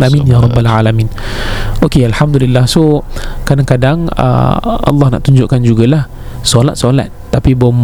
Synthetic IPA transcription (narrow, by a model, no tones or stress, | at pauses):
laminjaɾˤɔbːalʕalamĩn | okealħamd̪ulilːahsukadaŋkadaŋə̰ɑ̰lːɑhna̰ʔt̪uɲd͡ʒʊʔkand͡ʒuɡalah | solat̪̚sola̰t̪̚ːapibəm